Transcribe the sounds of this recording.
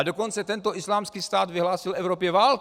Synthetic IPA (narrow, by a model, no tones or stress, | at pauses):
d̪okɔnt͡sɛt̪ɛnt̪ɔʔislaːmskiːst̪aːd̪ʋiɦlaːsilɛʊɾɔːpjɛvaːlk